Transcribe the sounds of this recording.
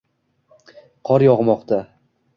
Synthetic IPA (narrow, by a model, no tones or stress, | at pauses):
qʰɒɾjɒʁmɒqt̪ʰa